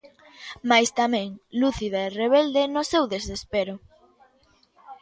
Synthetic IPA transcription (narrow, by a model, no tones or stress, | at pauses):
majst̪amɛ̃ŋluθiðaereβ̞ɛld̪enʊsewðesespeɾʊ